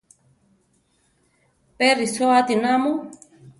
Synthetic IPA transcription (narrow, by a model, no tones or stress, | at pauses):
perisoat̪inamu